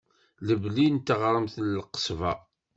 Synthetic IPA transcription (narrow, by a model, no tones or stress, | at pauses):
ləvlint̪əʁɾˤəmθlːqə̥sˤvɑ̰